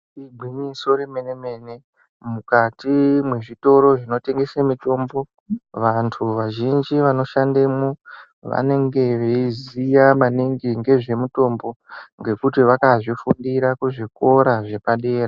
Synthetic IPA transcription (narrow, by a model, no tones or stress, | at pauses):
ibʱiɲiso̞ɾemeneme̞ne̞ | mukatimwe̞ʐito̞ɾo̞ʐino̞te̞ŋɡe̞semito̞ːmbo̞ | ʋantʰuʋaʒind͡ʒiʋano̞ʃandemu | ʋa̰ne̞ŋɡe̞ʋeizijamaniŋɡiŋɡe̞ʐe̞muto̞mbo̞ŋɡe̞kutiʋakaʐifundiɾakuʐiko̞ɾaʐe̞paɗe̞ːra